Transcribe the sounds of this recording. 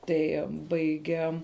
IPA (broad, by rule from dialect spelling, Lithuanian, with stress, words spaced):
ˈtɐɪ ˈbɐɪɡʲɛ